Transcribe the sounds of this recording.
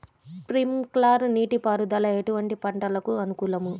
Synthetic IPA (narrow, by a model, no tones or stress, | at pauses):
pɾimklaːɾniːʈipaːɾud̪ɐlɐjɐʈuʋɐɳʈipɐɳʈɐlɐkuɐnukuːlɐmu